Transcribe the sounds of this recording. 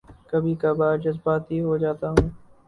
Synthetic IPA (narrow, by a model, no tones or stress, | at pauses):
kəbʱiːkabaːɾd͡ʒɐzbaːt̪ɦiɦod͡ʒaːt̪aɦũː